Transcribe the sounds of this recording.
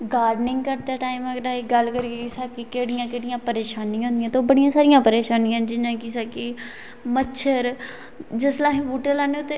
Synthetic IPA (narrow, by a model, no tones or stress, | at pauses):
ɡaːɾɖnɪ̃ŋɡkəɾt̪aːʈaːiməɡdaːeɡəlkəɾkekɪsaːkɪkeːɽɪjãːkeːɽɪjãːpəɾeːʃaːnĩɦõːnd̪ijãːt̪oːbəɽɪjãːsaːɾɪjãːpəɾeːʃaːnɪjãːd͡ʒɪnãːkɪsaːkɪ | mətːʃʰəɾ | d͡ʒəslaːɦĩːbuːʈelaːneoːt̪e